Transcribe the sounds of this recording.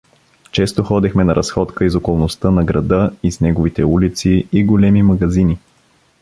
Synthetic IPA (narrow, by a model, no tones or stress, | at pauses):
t͡ʃɛst̪oxɔd̪ɛxmɛnɐɾʔɐsxɔt̪kəizokolˠnost̪ənɐɡɾɐd̪ɤiznɛɡovit̪ɛulit̪siiɡolɛmimɐɡɐzini